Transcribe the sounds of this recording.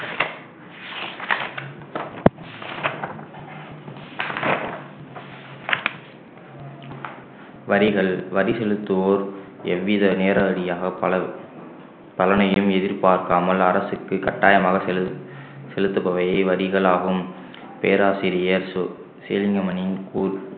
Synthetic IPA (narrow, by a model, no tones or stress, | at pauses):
ʋɐɾɪɣɐɭʋɐɾisɛlɯt̪ːɯoːɾ | ɛʋːɪðɐneːɾɐɐɽɪjaːɣɐ | pɐlɐnɐjɯmɛðɪɾpaːɾkaːmɐlɐɾɐsɯkːɯkɐʈːaːjɐmaːɣɐ | sɛlɯt̪ːɐpːɐʋɐjɐɪʋɐɾɪɣɐɭaːɣɯm | pḛːɾaːsiɾɪjɐɾ | seːlɪŋɡɐmɐnɪnkuː